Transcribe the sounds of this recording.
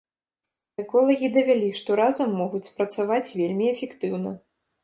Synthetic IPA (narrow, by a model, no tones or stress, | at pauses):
ɛkɔlˠɐɣʲid̪ɐvʲælʲiʂt̪ɔɾazɐmːɔɣut͡sʲpɾɐt̪savat͡sʲvʲelʲmʲiɛfʲɛkt̪ɨwn̪ɐ̰